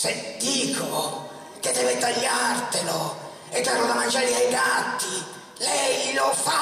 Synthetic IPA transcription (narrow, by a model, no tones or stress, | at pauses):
sed̪iːkʰo | ked̪ːɛːvɛt̪ːaʎːart̪elo | ɛt̪ːaɾɔd̪amand͡ʒaːliajdat̪ːi | lɛjlɔfa